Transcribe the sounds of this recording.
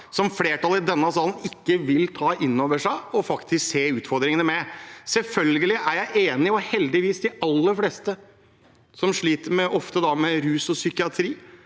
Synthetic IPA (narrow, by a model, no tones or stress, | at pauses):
sɔmfleːʈɑlɪd̪ɛnːɑsɑːlən̩ɪkːəʋɪlt̪ʰɑːʔɪnːoːʋəʂæɪɔfɑkt̪ʰɪskseːʉːt̪fɔɾd̪ɾɪŋənəmɛsɛlfœlɡəlɪʔæɾjæɪʔeːnɪɔhɛld̪ɪʋiːsd̪ɪɑlːəɾfleːst̪ə | sɔmʂɭiːt̪əɾmɛʔɔft̪əd̪ɑmɛɾʉːsɔsʏkɪɑt̪ʰɾiː